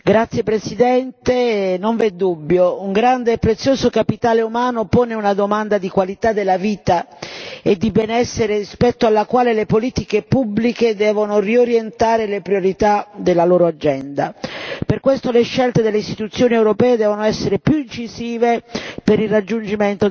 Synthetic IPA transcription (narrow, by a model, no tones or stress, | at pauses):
ɡɾat̪sːjepɾesid̪ɛnt̪enoɱved̪ːubːjouŋɡɾand̪eːpːɾet̪sːjoːsokapit̪aːleumaːnopoːneunad̪omand̪ad̪ikwalit̪ad̪ːelːaviːt̪a | ed̪ːibɛnɛsːeɾerispɛt̪ːoalːakwaːlelepoliːt̪ikepubːliked̪ɛːvonorioɾjent̪aːɾelepɾioɾit̪ad̪elːaloːɾoad͡ʒɛnd̪aperkwest̪oleʃːɛlt̪ed̪elːeist̪i̥t̪ut̪sːjoːniewɾopɛːed̪ɛːvonoɛsːeɾepjuint͡ʃiziːvepeɾilrad͡ʒːund͡ʒiment̪o